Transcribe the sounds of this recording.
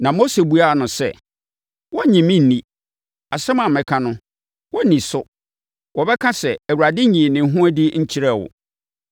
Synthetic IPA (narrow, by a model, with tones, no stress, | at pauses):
nã˨mo˦se˨bu˦a˦˨nʊ̃˨sɛ̰˦˨ | wɔ˦ɲĩ˨mĩ˦n̩ː˨nĩ˦ | a˨sɛ˦mã˨mɪ̃˦kʰã˦nʊ̃˦ | wɔ˦nĩ˨sʊ˦ | wɔ˨bɛ˦kʰã˦sɛ˨æ˨wu˨a˨dɪ˦ɲĩ˨nɪ̃˨˦ɦʊ̃˦æ˦dɪ˦ɲ̩˦t͡ɕʰi˦ɾɛ˦˨wʊ̰˨